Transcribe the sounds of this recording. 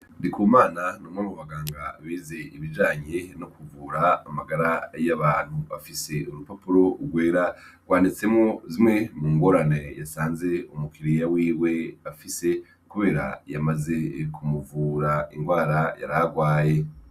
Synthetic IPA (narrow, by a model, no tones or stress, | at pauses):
ndikuːmaːnanomŋamuβaɡaːŋɡaβiːze̞iβid͡ʒaːɲe̞nokuvuːɾaːmaɡaɾajaβaːn̥huβafise̞uɾupopuɾo̞uɡwe̞ːɾaɡ̥waːnit͡se̞mŋozimŋemuːŋɡo̞ɾanejasaːnze̞umukʰiɾijawiːwe̞afise̞ | kuβe̞ːɾa̰jamaze̞kʰumuvuːɾaiŋɡwaːɾaja̰ɾaɡwaːje̞